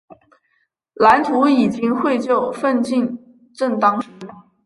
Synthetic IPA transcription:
la˧˥nt͡s̪ʰu˧˥i˨˩t͡ɕi˥ŋxwe˥˧ɪt͡ɕjo˥˩ʊfə˥˧nt͡ɕi˥˧n | ʈ͡ʂə˥˩nt̪ɑ˥ŋʂɻ̩˧˥

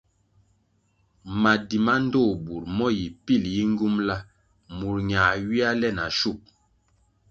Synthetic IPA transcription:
ma˨di˨ma˦n̩˦do˦˨bu˨ɾmɔ˦ji˨pi˦˨lji˦ŋ˦ɡu˦mla˦ | mu˨ɾɲa˨ɥi˦a˦lɛ˦na˨ʃu˦˨k̚

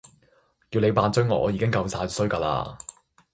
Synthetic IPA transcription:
kiː˧nle˨˧jpaː˧nt͡sŋɔː˨˩ʔɔ̰ː˧jiː˨˧˥ɪ˥ŋkɐ˧wsaː˧jsɵ˥ɥkaː˧la̰ː˧

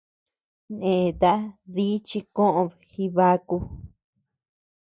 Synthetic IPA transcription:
nẽ˨t̪a˦ði˦t͡ʃi˧kõ˦ʔõ˧ | xi˧βa˦ku˧

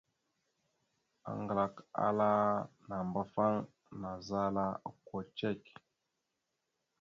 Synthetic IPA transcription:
a̰˨ŋɡla˨ka̰˦la˦na˨mba˦fa˦ŋ | na˨za˦la˦˨ko˨t͡ʃe˦˨k

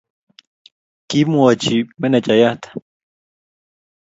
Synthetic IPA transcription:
ki˦mu˦a˨t͡ʃi˨me˦na˨t͡ʃa˨ja˦ht̪ʰḁ

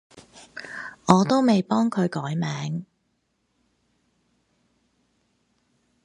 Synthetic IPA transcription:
ŋɔː˨˧t̪o˥wme˨jpɔː˥ŋkʰɵ˨˧ɥkɔː˨˥jmɛː˨˥ŋ

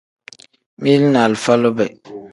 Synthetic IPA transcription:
mi˦lna˨lfa˦lo˦bɛ˨

